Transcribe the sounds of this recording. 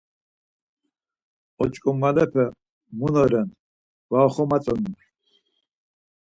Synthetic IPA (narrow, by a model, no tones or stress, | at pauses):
ɔt͡ʃʼkʼumːalɛpʰɛ | munɔɾɛn | vaχɔmat͡sʼɔnun